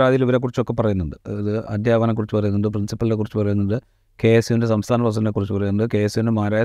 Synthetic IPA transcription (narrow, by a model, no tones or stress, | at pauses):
ɾaːd̪ijiliʋɐɾek̬ːurit͡ɕːo̞kːe̞pːɐrɐjunːuɳɖɨɐðɨɐ̰d̪jaːʋɐnɐkːurit͡ɕːupɐrɐjunːuɳɖɨprinsipːɐlilekurit͡ɕːuɨpɐrɐjunːuɳɖɨ | ke̞ːsiindesɐmst̪ʰaːnɐpɐs̬ɐnlekurit͡ɕːɨpɐrɐjunːuɳɖɨke̞ːsuindemaːɾaː